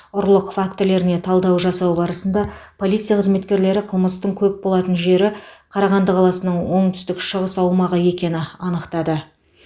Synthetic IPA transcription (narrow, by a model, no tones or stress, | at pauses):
ʊɾlˠəqfakt̪le̞ɾɪne̞t̪ʰɑlˠd̪ɑwʒɑsɑwbɑɾəsənd̪ɑpʰo̞lˠijt̪sɨjaqʰəzme̞t̪kʲe̞ɾle̞ɾɪqʰəlˠməst̪əɴkʲʰɵp̚bo̞lˠɑt̪ənʒe̞ɾɪqʰɑɾɑʁɑnd̪əqʰɑlˠɑsənəɴwo̞ɴt̪ʰʏ̥st̪ɪkʃəʁəsɑwmɑʁəje̞kʲe̞nɪɑnəqt̪ɑd̪ə